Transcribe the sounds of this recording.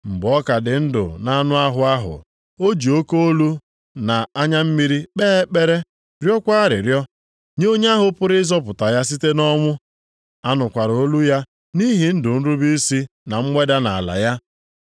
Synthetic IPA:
m̩˨ɡ͡bɔ˦ka˨dɪ˨n̩˦dʊ̰˨na˦nʊ˦a˦ɦʊ˦a˦ɦʊ̰˨ | o˦d͡ʒi˨o˦ko˦o˦lu˦ | na˨a˦ɲa˦m̩˦mi˦ɾi˦k͡peː˦k͡pe˦ɾe˦ | ɾjɔ˦kʷa˦ɾɪ̰˨ɾjɔ˦ | ɲe˦o˦ɲ˦a˦ɦʊ˨pʊ˦ɾɪ˦zɔ˦pʊ˨ta˨ja˦s̬i˦te˦nɔ˦ŋʷʊ˦ | a˦nʊ˨kʷa˨ɾo˦lu˦ja˦ | ni˦ɦi˨n̩˦dʊ˨n̩˦ɾu˦bi˦si˦na˨ŋ͡m̩˦ŋʷe˦da˦na˨a˨la̰˨ja˦

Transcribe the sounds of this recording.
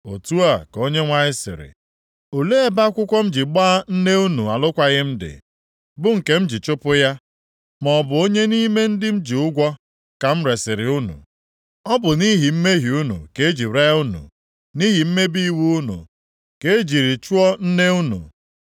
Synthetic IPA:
o˨tu˦a˨ko˦ɲe˦ŋʷa˦ɲɪ˦sɪ̰˨ɾɪ̰˨ | o˨le˦e˦ba˦kʷʊ˦kʷɔ˦m̩˦d͡ʒi˨ɡ͡ba˦n̩˦ne˦u˦nu˨a˨lʊ˦kʷa˦ɣɪ˦m̩˦dɪ̰˨ | bʊ˦ŋ̩˨ke˦m̩˦d͡ʒi˨t͡ʃʊ˦pʊ˦ja˦ | mɔ˨bʊ˨o˦ɲe˦ni˦me˦n̩˦dɪ˦m̩˦d͡ʒi˨ʊ˦ɡʷɔ˦ | ka˨m̩˦ɾe˨sɪ˨ɾɪ˨ʊ˦nṵ˨ | ɔ˦bʊ˨ni˦ɦi˨m̩˦me˦ɦi˨u˦nṵ˨ke˨˦e˦d͡ʒi˨ɾe˦u˦nṵ˨ | ni˦ɦi˨m̩˦me˦bi˦i˦wu˦u˦nṵ˨ | ke˦e˦d͡ʒi˨ɾi˨t͡ʃu˦ɔ˦n̩˦ne˦u˦nṵ˨

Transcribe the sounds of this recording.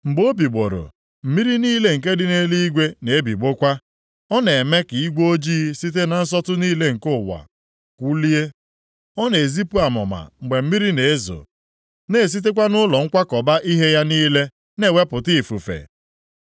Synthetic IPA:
ŋ͡m̩˨ɡ͡bo˦bi˨ɡ͡bo˨ɾo̰˨ | m̩˨mi˦ɾi˦niː˦le˦ŋ̩˨k̬e˦dɪ˦ne˦li˦ɡʷe˦ne˨e˦bi˨ɡ͡bo˦kʷa˦ | ɔ˦ne˨e˨me˦ki˨i˦ɡʷo˦d͡ʒiː˦si˦t̬e˦na˨n̩˦s̬ɔ˦tʊ˦niː˦le˦ŋ̩˨kʊ˦˨wa̰˨ | kʷu˦li˦e˦ | ɔ˦ne˨zi˦pu˦a˨mʊ˨ma̰˨ŋ͡m̩˨ɡ͡be˨m̩˦mi˦ɾi˦ne˨e˦zo̰˨ | ne˦˨s̬i˦t̬e˦k̬ʷa˦nʊ˦lɔ˨ŋ̩˦kʷa˦kɔ˨ba˦ʔi˦ɦe˦ja˦niː˦le˦ | ne˦˨we˦pʊ˨ti˦˨fu˨fḛ˨

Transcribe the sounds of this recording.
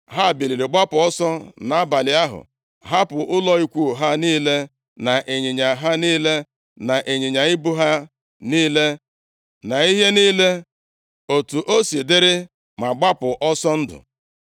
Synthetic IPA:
ɦa˦˨bi˨li˨ɾe˨ɡ͡ba˦pʊ˨ɔ˦sɔ˦na˨a˦ba˨lɪ˨a˦ɦʊ̰˨ | ɦa˦pʊ˨ʔʊ˦lɔ˦i˦kʷu˦˨ɦa˦niː˦le˦ | na˨ʔe˨ɲe˨ɲa˨ɦa˦niː˦le˦ | na˨ʔe˨ɲe˨ɲa˨ɪ˦bʊ˦ɦa˦ | niː˦le˦ | na˨i˦ɦe˦niː˦le˦ | o˨tu˨ʔo˦se˨de˦ɾɪ˦ | ma˨ɡ͡ba˦pʊ˨ʔɔ˦sɔ˦n̩˦dʊ̰˨

